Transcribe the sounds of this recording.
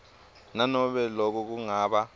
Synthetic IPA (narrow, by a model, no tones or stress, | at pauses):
nanɔɓɛlɔk̬ɔk̬uŋaːɓa